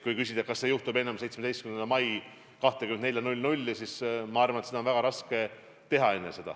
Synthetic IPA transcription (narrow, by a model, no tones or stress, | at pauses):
kujkysʲid̪̥ɑkɑsːejuht̪ube̞nɑmse̞jt̪smed̪ejst̪kynend̪mɑj | kɑht̪ekymene̞lʲjɑnulʲnulʲːisismɑɑrvɑnet̪seɑonvæɡ̥ɑɾɑske̞ | t̪e̞ɦɑe̞nːese̞d̪ɑ̰